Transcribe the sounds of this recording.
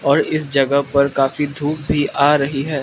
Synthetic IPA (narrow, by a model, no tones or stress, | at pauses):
ɔːɾɪsd͡ʒɐɡəɦpɐɾkaːfid̪ʱuːp̚bʱiʔaːɾɐɦiɦɛː